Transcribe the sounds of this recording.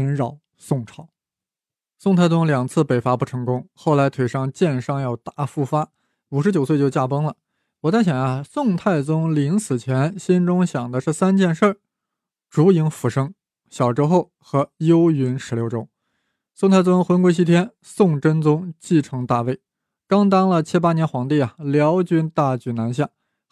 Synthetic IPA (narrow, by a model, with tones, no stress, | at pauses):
ə˧˥nɻɑ˨˩ʊ | sʊ˥˩ŋʈ͡ʂʰɑ˨˩˦ʊ | sŋt̪ʰa˥˧ɪt͡sʊ˥ŋljɑ˨˩ŋt͡sʰɹ̩˥˩pe˨˩ɪfa˧˥pu˥˩ʈ͡ʂʰɤ˧˥ŋkʊ˥ŋxo˥˩ʊla˧˥ɪt̪ʰwe˨˩ɪʂɑ˥˧ŋt͡ɕjɛ˥˧nʂɑ˥˧ŋjɑ˥˧ʊt̪a˥˩fu˥˩fa˥ | u˨˩ʂɻ̩˧˥t͡ɕjo˨˩ʊs̬wɪjo˥˧ʊt͡ɕja˥˩pɤ˥ŋlə˨ | wɔ˨˩t͡sa˥˩ɕjɛ˨˩a˧sʊ˥˧ŋt̪ʰa˥˩ɪt͡sʊ˥ŋli˧˥ŋsɹ̩˨˩t͡ɕʰjɛ˧˥nɕi˥nʈ͡ʂʊ˥ŋɕjɑ˨˩ŋd̪ə˦ʈ͡ʂɤ˥˩sa˥nt͡ɕjɛ˥˧nʂə˞˥˩ | ʈ͡ʂu˧˥i˧˥ŋfu˧˥ʂɤ˥ŋ | ɕjɑ˨˩ʊʈ͡ʂɻ̩˥xo˥˩ʊ | xɤ˧˥jo˥ʊy˧˥nʂɻ̩˧˥ljo˧˥ʊʈ͡ʂʊ˥ŋ | sʊ˥˧ŋt̪ʰa˥˩ɪt͡sʊ˥ŋxwə˧˥nkwe˥ɪɕ̬i˥t̪ʰjɛ˥n | sʊ˥˩ŋʈ͡ʂə˥nt͡sʊ˥ŋt͡ɕi˥˩ʈ͡ʂʰɤ˧˥ŋt̪a˥˧we˥˩ɪ | kɑ˥ŋt̪̬ɑ˥ŋlə˨t͡ɕʰi˥pa˥njɛ˧˥nxwɑ˧˥ŋt̪i˥˩ɐ˩ljɑ˧˥ʊt͡ɕy˥˧nt̪a˥˩t͡ɕy˨˥˩na˧˥nɕ̬ja˥˩